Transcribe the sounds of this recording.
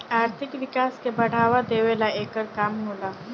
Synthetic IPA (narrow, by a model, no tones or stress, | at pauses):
aːɾt̪ʰɪkʋɪkaːskebɐɽ̤aːʋad̪eːʋeːlaeːkəɾkaːmnoːlaː